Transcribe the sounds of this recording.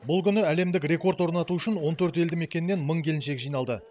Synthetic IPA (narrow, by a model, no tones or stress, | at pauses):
bʊlˠkʲʰʏnɪæle̞md̪ɪkre̞ko̞rt̪wo̞ɾnɑt̪uʏʃɪnwo̞nt̪ʰɵɾt̪e̞ld̪ɪme̞kʲenːe̞nməɴkʲʰe̞lɪnʃe̞kʒijnɑlˠd̪ə